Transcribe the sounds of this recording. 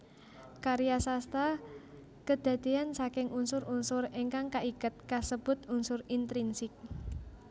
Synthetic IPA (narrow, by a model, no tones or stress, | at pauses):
kaɾijasast̪a | kəd̪̥a̤d̪̥iansakɪŋʔunsʊɾunsʊreŋkaŋkaʔikət̪̚kasəb̥ʊ̤t̪unsʊrint̪ɾinsɪk̚